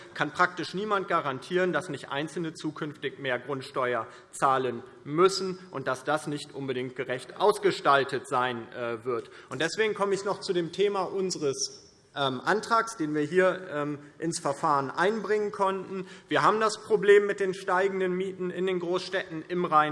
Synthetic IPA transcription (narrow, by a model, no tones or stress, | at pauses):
kʰanpʁ̥ak̚tɪʃniːmant̚ɡ̥aʁantʰiːʁəndasnɪçtʔa̰ɪnt͡sl̩nət͡suːkʰʏnftɪçmeːɐɡʁʊntʃtɔʏɐ | t͡saːlən | mʏsn̩ʔʊnt̚d̥asd̥asnɪçtʔʊnbədɪŋt̚ɡ̥əʁɛçtʔa̰ʊsɡ̥əʃtaltətz̥aɪnʔɛvɪɐtʔʊnt̚d̥ɛsv̥eːɡŋ̩kʰɔməɪçnɔχt͡sudeːmtʰeːmaʔʊnzəʁəs | ʔɛːmʔantʁ̥aːksd̥eːnviːɐɦiːɐɛmʔɪnsfɛɐfaːʁənʔa̰ɪnbʁɪŋənkʰɔntn̩viːɐɦaːbm̩daspʁ̥obleːmːɪt̚d̥eːnʃtaɪɡŋ̩dənmiːtn̩ɪndeːnɡʁoːsʃtɛtn̩ɪmʁaɪn